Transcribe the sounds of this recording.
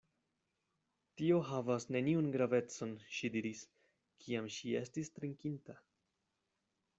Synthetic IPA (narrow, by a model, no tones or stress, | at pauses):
tio̞ɦavasne̞niunɡɾave̞t͡so̞nʃidiɾis | kʰiamʃie̞stistɾiŋkinta